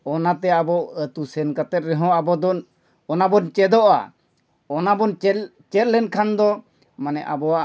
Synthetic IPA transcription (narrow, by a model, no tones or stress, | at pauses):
ɔnat̪ɛabɔʔət̪usɛnkat̪ɛt̪̚ɾɛɦɔ̃abɔd̪ɔn | ɔnabɔnt͡ʃɛd̪ɔʔa̰ | ɔnabɔnt͡ʃɛ | t͡ʃɛt̪̚ˀlɛnkʰand̪ɔ | manɛʔabɔa